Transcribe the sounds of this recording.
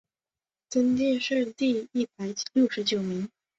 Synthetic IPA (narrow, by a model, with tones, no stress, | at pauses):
t͡sə˥nt̪jɛ˥˧nʂɻ̩˥˧t̪i˥˧i˥˩pa˨˩˦ɪljo˥˩ʊʂɻ̩˧˥t͡ɕjo˨˩ʊmi˧˥ŋ